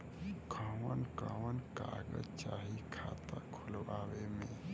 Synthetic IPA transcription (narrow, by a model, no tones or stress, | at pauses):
kʰəːwənkaːwənka̰ːɡət͡ʃaːɦikʰaːt̪akʰʊlʋaːwemẽ